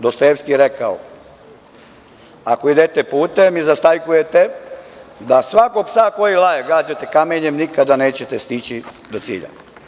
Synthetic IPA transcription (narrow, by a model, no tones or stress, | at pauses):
d̪o̞st̪ojeʋskieɾekao̰ | ako̞id̪et̪epuːt̪emizast̪ajkujet̪e | d̪asʋako̞ɡsako̞jilˠajeɡaːd͡ʑet̪ekameɲemnikad̪ane̞ːt͡ɕet̪est̪it͡ɕi | d̪o̞t̪sḭːʎa̰